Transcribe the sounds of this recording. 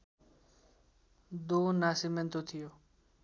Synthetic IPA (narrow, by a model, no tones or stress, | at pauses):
d̪oːnaːsiment̪ot̪ʰijoː